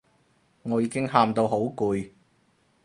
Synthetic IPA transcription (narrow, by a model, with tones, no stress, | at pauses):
ŋɔː˨˧jiː˧kɪ˥ŋɦaː˧mt̪o˧wɦo˨˥wkuː˨˧j